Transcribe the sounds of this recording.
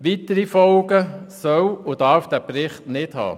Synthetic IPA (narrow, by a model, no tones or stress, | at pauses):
ʋitəɾifɔlɡəsœwʊd̥ɑɾfd̥æpɾɪχtnɪthɑ̰ː